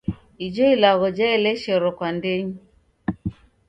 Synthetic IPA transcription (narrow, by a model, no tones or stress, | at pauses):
id͡ʒɔilaɣɔd͡ʒɛɛlɛʃɛɾɔkwandeɲi